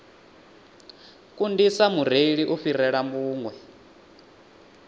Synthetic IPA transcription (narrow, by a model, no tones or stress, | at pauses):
kundisamur̤eɺiʔuɸiɾɛɺambuːŋwɛ